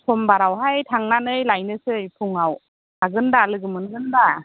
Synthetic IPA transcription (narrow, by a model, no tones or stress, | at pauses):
sʰɔmbaɾawɦajtʰaŋnanɯjlajnɯsɯjpʰuŋaw | aɡɯndalɯɡɯmɯnɡɯnda